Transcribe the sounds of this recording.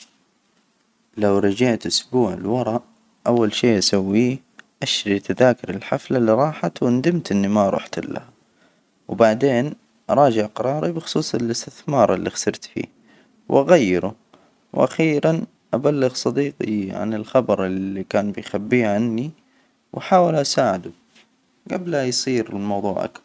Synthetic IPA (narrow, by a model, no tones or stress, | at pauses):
lawɾˤɑd͡ʒaʕt̪ʔʊsbuːʕɪlwɑɾˤɑʔ | ʔawːalʃiːʔasawːiː | ʔaʃɾit̪aðaːkɪɾɪlħaflaliɾˤɑːħat̪wɪnd̪ɪmt̪ʔɪnːimaʔɾˤṵːħt̪ɪlːa̰h | wbaʕd̪eːn | ʔɑɾˤɑːd͡ʒɪʕqɑɾˤɑːɾˤibɪxʊ̥sˤuːsˤɪlɪst̪ɪθmɑːɾˤʔɪlːixḁsɑɾˤt̪fḭː | wʔaɣajːɪɾʊ̰ | wʔa̰xiːɾan | ʔabalːɪɣsˤɑd̪iːqiʕa̰nɪlxɑbɑɾˤɪlikaːnbɪjxabːiːʕanːi | wħaːwɪlʔasaːʕɪd̪u | ɡablajsˤiːɾɪlmɑwðˤṵːʕʔa̰kθɑɾˤ